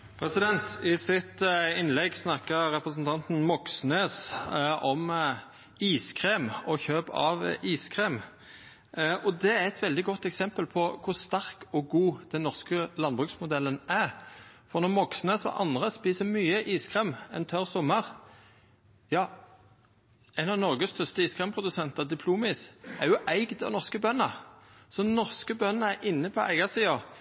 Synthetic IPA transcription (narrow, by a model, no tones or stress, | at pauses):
pʰɾɛsɪd̪ɛnt̪ɪsɪt̪ɪnlɛɡsnɑkəʁɾɛpɾəsnt̪ʰɑnt̪n̩mɔksnøːsɔm | iːskʰʁeːmɔçøːbɑ̰ʋiːskʰʁeːm | ʔɔd̪ɛæɾɛt̪ʋɛld̪ɪɡɔt̪ːɛksɛmpəlpʰɔkʰʊst̪ɑɾkɔɡuːd̪̥ɛnːɔʁskəlɑnbʁʉksmʊd̪ɛlːənæɾfɔʁnɔmɔksnəsɔ̰ʔɑ̰nd̪ʁəspiːsəmyːəʔiːskʰʁeːmɛnt̪ʰœʁsɔmːəʁ | jɑː | æɪnɑnɔʁɡəst̪ʰœst̪əiːskʰʁeːmpʰʁʊd̪ʉsɛnt̪əʁd̪ɪpʰluːmisæʁjʊʔæɪɡd̪ɛ̰nɔʁskəbœnːəsɔnɔʁskəbœnːəæɾʔɪnːəpʰɔʔæ̰ɪɡɑsiːɑ